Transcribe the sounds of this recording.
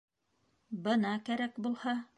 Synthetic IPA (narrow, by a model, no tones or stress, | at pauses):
bɤ̆nɑkæɾækbulˠhɑ